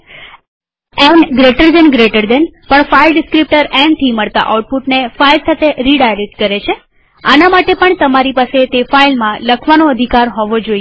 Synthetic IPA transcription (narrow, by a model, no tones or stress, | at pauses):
ɛnɡɾeʈəɾd̪enɡɾeʈəɾd̪enpəɳfailɖɪskɾip̚ʈəɾɛ̃ɳʈ̪ʰiməɭt̪a̰ʔa̰uʈ̚puʈnefailsat̪ʰeɾiɖajɾek̚ʈ̚kəɾet͡ʃʰe | a̰namaʈepəɳt̪əmaɾipaset̪efailmãləkʰʋanoəd̪ʱikaɾɦɔʋod͡ʒoie